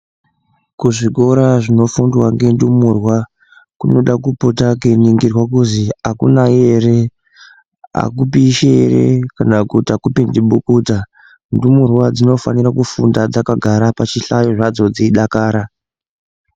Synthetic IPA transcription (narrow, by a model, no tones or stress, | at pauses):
kuʐiko̞ɾaʐino̞fundwaŋɡe̞ndumuːrwa | kuno̞ɗakupotak̬eniŋɡirwakuziakṵnae̞re̞ | a̰kupiʃeerḛkanakutiakupindiɓukuːta | ndumurwad͡zino̞fa̰nirakufundad͡zakaɡʱaɾapat͡ʃiɬajoʐad͡zo̞d͡ziiɗakaːɾa